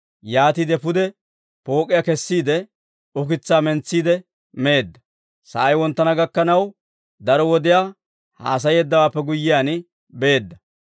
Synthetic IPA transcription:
jaːt̪iːd̪ɛpʊd̪ɛ | po̞ːkʼːɪjakɛsːiːd̪ɛ | ʊk̬ɪt͡sːaːmɛnt͡sːiːd̪ɛ | me̞ːd̪ːɐ | sɐ̰ʔɐjwɔnt̪ːɐnɐɡɐkːɐnɐw | d̪ɐɾɔwɔd̪ɪjaː | ha̰ːs̬ɐjɛːd̪ːɐwaːpːɛɡʊjːɪjaːn | be̞ːd̪ːɐ

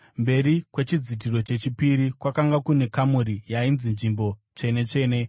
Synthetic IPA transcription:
mbe̞ɾikwe̞t͡ʃid͡zit̬iro̞t͡ʃe̞t͡ʃipiɾikwakaŋɡakune̞kamuɾijainzinʐimbo̞ | t͡ʂe̞ne̞t͡ʂe̞ːne̞

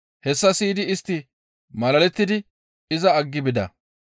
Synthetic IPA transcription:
hɛsːɐsiːd̪ɪɪst̪ːɪ | mɐlɐlɛt̪ːɪd̪ɪ | ɪzɐɐɡːɪbɪd̪ɐ̰

